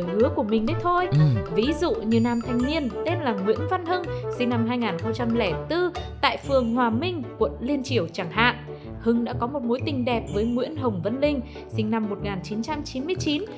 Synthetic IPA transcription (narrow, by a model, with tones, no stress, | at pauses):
jhɨ˨˦əku˧˩əmï̟˨˩ɗə˨˦jt̪ʰo˧jvi˨˦zṵ˧˨ɲi˨˩əwnaː˨˩mt̪ʰɛ˨˩jŋ̟ni˧ənt̪e˧nlaː˨˩ŋwḭ˧˥ənva˧nhɨ˧ŋsï˧ŋna˧mɦaː˧jŋaː˨˩nxə˧wŋ͡mt͡ɕa˧mlɛ˧˩t̪ɨ˧t̪a̰ː˧˨jfɨ˨˩əŋɦwaː˨˩mï˧ŋ̟kwə̰˧˨nli˧ənt͡ɕi˧˩əwt͡ɕaː˧˩ŋɦa̰ː˧˨n | hɨ˨˦ŋɗa̰ː˧˥kɔ˨˦mo˨˩t̚mo˨˦jt̪ï˨˩ŋ̟ɗɛ˨˩p̚vəː˨˦jŋwḭ˧˥ənɦə˨˩wŋ͡mvə˧nlï˧ŋ̟ | sï˧ŋna˧mːo˨˩t̚ŋaː˨˩nt͡ɕi˨˦nt͡ɕa˧mt͡ɕi˨˦nmɨ˧əjt͡ɕi˨˦n